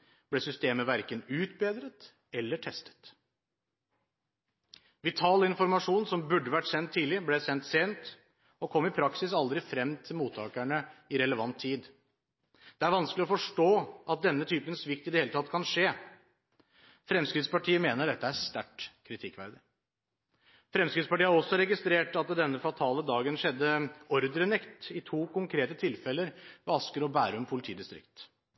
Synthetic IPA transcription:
b̥lɛsʏst̪eːməʋæɾkənʉːt̪̚beːd̪ɾət̪ | ɛlːəʈʰɛst̪ə̥t̪ | ʋɪt̪ʰɑːləɪnfɔɾmɑʂuːnsɔmbʉɖːəʋæʈːsɛnt̪ʰːiːlɪblɛsɛnt̪seːnt̪ | ɔkʰɔmːɪpʰɾɑksɪsɑld̪ɾɪfɾɛmːt̪ʰɪlmuːt̪ʰːɑːkæɳəɪɾɛləʋɑnt̪ʰːiːd̪ | d̪̥ɛæɾʋɑnskəlɪɔfɔʂʈoːʔɑt̪̚d̪ɛnːət̪ʰyːpənsʋɪkt̪ɪd̪ɛheːlət̪ɑt̪ːkʰɑnʂeː | fɾɛmskɾɪd̪spɑʈʰiːəmeːnəɖɛt̪ːəæst̪æʈkʰɾɪt̪ʰɪkːʋæɾd̪ɪ | fɾɛmskɾɪd̪spɑʈiːəhɑɾɔsːɔɾɛɡɪst̪ɾeːʈɑt̪̚d̪ɛnːəfɑt̪ʰɑːləd̪ɑːɡənʂɛd̪ːəɔɾd̪ɾənɛkt̪ɪt̪ʰuːkʊŋkʰɾeːt̪ət̪ʰɪlfɛlːəɾʋɔɑskəɾɔbæːɾəɔmpʰʊlɪt̪ʰiːd̪ɪst̪ɾɪ̰kt̪

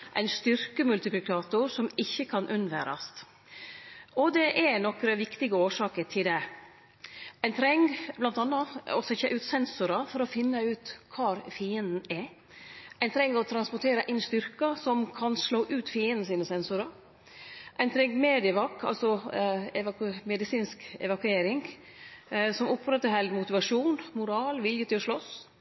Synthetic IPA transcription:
ʔæ̰ɪnst̪ʏɾkəmʉlt̪ɪplɪkʰɑːt̪ʊɾsɔmɪçːəkʰɑnʔʉnʋæ̰ːɾɑ̰st̪ | ʔɔd̪ɛʔɛnɔkɾəʋɪkt̪ɪɡəoːʂɑːkəʈʰɪld̪ɛ | æɪnt̪ʰɾɛŋblɑnt̪ɑnːɑɔsɛçəʔʉːt̪sɛnsʊɾɑfɔɾɔfɪnːəʉːt̪kʰɑːɾfiːənd̪n̩ɛ | æɪnt̪ʰɾɛŋːɔt̪ʰɾɑnspɔt̪ʰeːɾəʔɪnst̪ʏɾkɑsɔmkʰɑnsɭoːʔʉːt̪fiːənd̪n̩siːnəsɛnsʊɾɑ | ʔæɪnt̪ʰɾɛŋːmeːd̪ɪəʋɑkːɑ̰lsɔɛʋɑkʉmɛd̪ɪsiːnskɛ̰ʋɑkʉeːɾɪŋ | sɔmʊpɾɛt̪ːəɦɛlɡ̪mʊt̪ɪʋɑʂuːnmʊɾɑːlʋɪljət̪ʰɪlɔʂɭɔs

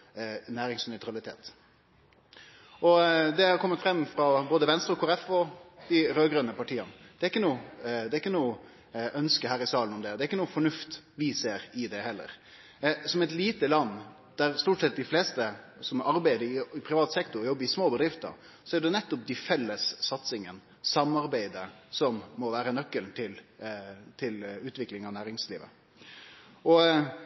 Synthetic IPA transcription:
næːɾɪŋsnœʏt̪ɾɑlɪt̪ʰḛːt̪ | ʔɔd̪ɛhɑɾkʰɔmːət̪fɾɛmːfɾɑboːd̪əʋɛnst̪ɾəɔkʰʊːɾɛfɔd̪̥ɪɾøːɡɾœnəpɑʈʰiːɑnd̪̥ɛɾɪkːənuːd̪ɛɾɪkːənuː | ʔœnskəhæːɾɪsɑːlnɔmd̪ɛd̪ɛɾɪkːənuːfɔɳʉft̪ʋɪseːɾɪd̪ɛhɛlːə̰ɾ | sɔmɛɪt̪liːt̪əlɑnː | d̪̥æɾst̪uːʈsɛt̪̚d̪ɪfleːst̪əsɔmɑɾbæɪd̪əɪɪpʰɾɪʋɑːt̪sɛkt̪ʊɾjɔbːəɪsmoːbəd̪ɾɪft̪ə̰ | sɔɛd̪ɛnɛt̪ːɔp̚d̪ɪfɛlːəsːɑt̪sɪŋən | sɑmɑɾbæɪd̪əsɔmːɔʋæːɾənœkːəlt̪ʰɪl | t̪ʰɪlʉːt̪ʋɪklɪŋɑʋnæːɾɪŋsliːʋə̰ | ʔɔ

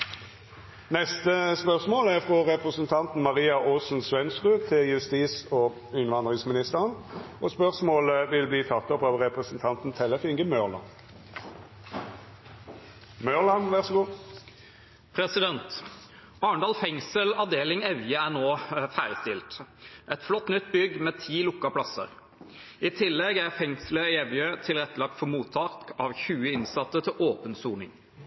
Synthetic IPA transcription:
nɛst̪əspœʁsmoːlæʁfʁɔʁɛpʁəsənt̪ʰɑnt̪n̩mɑʁiːɑʔoːsn̩sʋɛnsʁʉːt̪ʰɪljʉst̪iːsɔː | ɪnʋɑnd̪ʁɪŋsmɪnɪst̪əʁənʔɔspœʁsmoːləʋɪlbliːt̪ʰɑt̪ːɔpɑʋʁɛpʁəsn̩t̪ʰɑnt̪n̩t̪ʰɛləfɪŋɡəmœʁlɑ̰n | mœʁlɑnʋæʁsəɡuː | pʰɾɛsɪd̪ɛnt̪ | ɑːɳɖ̪ɑːlfɛŋsəlɑʋd̪eːlɪŋɛʋjəænoːfæːɾəst̪ɪlt̪ʔɛt̪flɔt̪ːnʏt̪ːbʏɡmeːt̪ʰiːlʊkːɑpʰlɑsə̰ʁ | iːt̪ʰɪlːɛɡæʁfɛŋsləɪɛʋjøːt̪ʰɪlʁɛt̪ːəlɑk̚t̪fɔmuːt̪ʰːɑːkɑːʋçʉːəɪnsɑt̪ːət̪ʰɪlʔoːpənsuːnɪ̰ŋ

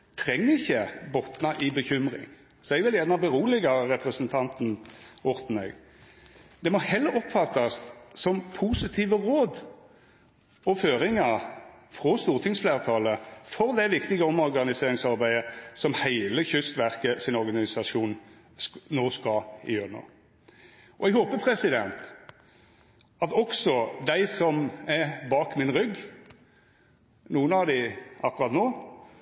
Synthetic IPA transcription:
t̪ʰʁɛŋːəɪçːəbɔt̪nɑʔɪbəçʏmʁɪ̰ŋ | sɔɛɪʋɪljɛd̪ɑbəʁuːlɪɡɑʁɛpʁəsənt̪ʰɑnt̪n̩ʊɾt̪n̩ɛ̰ːɡ | d̪̥ɛmɔhɛlːəɾɔpfɑt̪ːɑssɔmpʰuːsɪt̪ʰiːʋəʁoːd̪ | ɔføːɾɪŋɑ | fʁɔst̪uːʁt̪ʰɪŋsfleːʁt̪ʰɑːləfɔʁd̪ɛʋɪkt̪ɪɡəɔmɔʁɡɑnɪseːɾɪŋsɑʁbæɪəsɔmhæɪləçʏst̪ʋæʁkəsɪnɔʁɡɑnɪsɑʂuːn | noːskɑɪjøːɾəno̰ː | ɔɛɡhoːpəpʰʁɛsɪd̪ɛ̰nt̪ | ɑt̪ɔksɔd̪æɪsɔmæbɑːkmɪnʁʏɡː | nuːənɑʋd̪ɪʔɑkːʉʁɑt̪noː

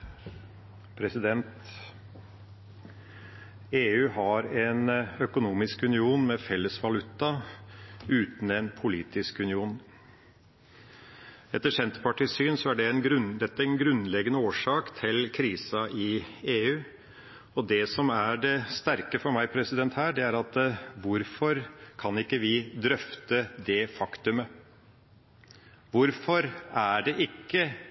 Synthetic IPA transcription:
pʰɾɛsɪd̪ɛnt̪ | eːʉːhɑɾɛnœkʊnuːmɪskʉnɪuːnmɛfɛlːəsʋɑlʉt̪ːɑ | ʉːt̪n̩ɛnpʰʊliːt̪ɪskʉnɪuːn | ɛt̪ːəʂɛnt̪ə̥pɑʈiːsyːnsɔæɖɛnɡɾd̪ɛt̪ːəɛnɡɾʉnlɛɡənəoːʂɑːkt̪ʰɪlkʰɾiːsɑʔɪeːʉː | ɔd̪ɛsɔmæɖɛst̪æɾkəfɔɾmæɪpʰɾɛsɪd̪ɛnt̪hæːɖɛæɾɑt̪ʋʊɾfɔɾkʰɑnɪkːəʋɪd̪ɾœft̪əd̪ɛfɑkt̪ʉmə | ʋʊɾfɔɾæɖɛʔɪkːə

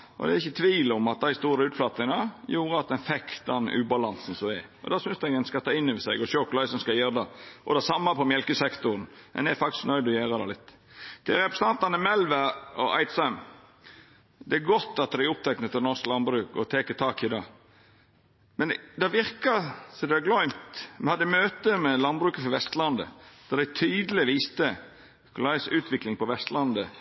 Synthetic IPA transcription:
ʔɔ̰d̪ɛɾɪçːət̪ʰʋiːlɔmɑt̪̚d̪æɪst̪uːɾəʉːt̪flɑt̪nɪŋɑjuːɾəɑt̪̚d̪ɛnfɛkt̪̚d̪ɛnʉ̰ːbɑlɑnsn̩sɔɛ | ɔ̰d̪ɑːsʏnsd̪æɡɛnskɑt̪ʰɑːɪnːəʋəsɛɪɡɔʃɔkʊlɑɪsɔmskɑjeːɾd̪ɑʔɔd̪ɛsɑmːɑpʰɔmjɛlkəsɛkt̪ʊɾənɛ̰nɛfɑkt̪ɪsknœʏd̪ɔjæːɾɑd̪ɛlɪt̪ː | t̪ʰɪlɾɛpɾɛsɑnt̪ɑnəmɛlʋəɔʔɑ̰ɪt̪sɑm | d̪ɛæɡɔt̪ːɑt̪̚d̪æɪʊp̚t̪ʰɛknət̪ʰːɪlnɔsklɑnbɾʉːkɔ̰t̪ʰeːkət̪ʰɑːkɪd̪ɑː | mɛnd̪ɛʋɪɾkɑsɔd̪ɛɑɡlɔʏmt̪mɛnhɑd̪ːɛmøːt̪əmɛlɑnbɾʉːkəfɔʋɛst̪lɑnd̪ə̰d̪̥ɑd̪æɪt̪ʰyːd̪əlɪʋiːst̪ə | kʰʊlɑɪsʉːt̪ʰʋɪklɪŋpɔʋɛst̪lɑnd̪ə

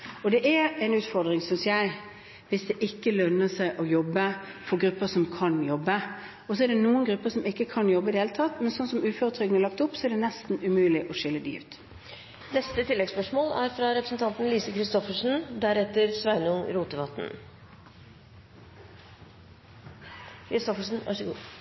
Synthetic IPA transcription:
ɔd̪ɛʔɛɾɛɪnʉːt̪fɔɾd̪ɾɪŋsʏnsjæɪ | ʋɪsd̪ɛʔɪkːəlœnːəsæɪʔɔjɔbːəfɔɡɾʉpːəsɔmkʰɑnjɔbːə | ɔs̬ɔɛd̪ɛnuːənɡɾʉpːəsɔmɪkːəkʰɑnjɔbːəid̪əheːlət̪ʰɑt̪ːmɛnsɔnsɔmʉːføːɾət̪ʰɾʏɡənəlɑk̚t̪ʊpːsɔɛɖ̪ɛnɛst̪n̩ʉmʉːlɪʔɔʂɪlːəd̪y̰ːft̪ | nɛst̪ət̪ʰɪlːɛɡspœʂmoːlæɾfɾɑɾɛpɾəsn̩t̪ɑnt̪n̩liːsəkʰɾɪst̪ɔfəʂn̩d̪æɾɛt̪ːəɾsʋæɪnəʊŋɾuːt̪əʋɑt̪ːn̩ | kʰɾɪst̪ɔfəʂn̩ʋæ̰ʂəɡṵː

